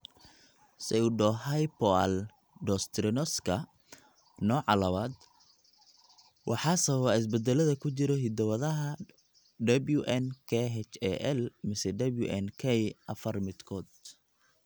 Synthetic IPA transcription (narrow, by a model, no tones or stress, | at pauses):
sɛʊɖɔːɦɐjpɔal | ɖɔst̪ɾɪnɔskʰɐ | nɔːʕɑlɐβaːd̪ | wʔɑħɑsɐββɐɪs̬bɛd̪ɛlɐðɐkʰʊt͡ʃɪɾɔɦɪd̪ɐwɐðɐɦɐ | ɖɐbluʔɛnkʰɛɦɛt͡ʃɛ̰ʔɛlmɪsɛɖɐblṵʔɛnkʰɛjʔɐfɐrmɪd̪kʰɔːd̪